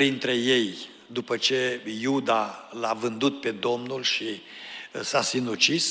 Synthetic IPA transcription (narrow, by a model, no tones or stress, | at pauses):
ɾint̪ɾe̞je̞j | d̪upət͡ʃe̞jud̪alavɨnd̪ut̪̚pe̞d̪o̞mnulʃi | sasinut͡ʃis